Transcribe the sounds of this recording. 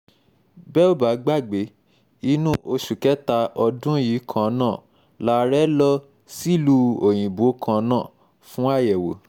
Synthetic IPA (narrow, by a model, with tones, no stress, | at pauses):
bɛ˦o˦˨ba˨˦ɡ͡ba˦˨ɡ͡be˨˦ | i˧˦nũ˦ʔo˧ʃu˨kɛ˦ta˧ɔ˧dũ˦ji˨˦kʰã˦˨˦nãː˦˨ | la˦ɾɛ˦lɔ˦ | si˦˨lu˧˦o˨j̃ĩ˨bo˨˦kʰã˧˦nãː˦˨ | fũ˦a˦˨jɛ˨wo̰˨˦